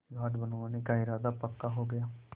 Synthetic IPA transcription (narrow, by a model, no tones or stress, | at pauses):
ɡʱaːʈbənʋaːnekaɪɾaːd̪apəkːaɦoɡəjaː